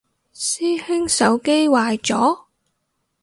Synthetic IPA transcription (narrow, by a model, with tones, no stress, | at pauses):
siː˥hɪ˥ŋsɐ˨˥wke˥jwaː˨jt͡sɔː˨˥